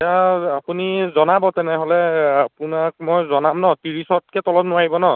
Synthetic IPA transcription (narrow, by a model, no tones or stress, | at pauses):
aapunizɔnabɔtɛnɛɦolɛapunak̚mɔjzɔnamnɔtiɹisɔt̚kɛtɔlɔpnʊwaɦibɔnɔ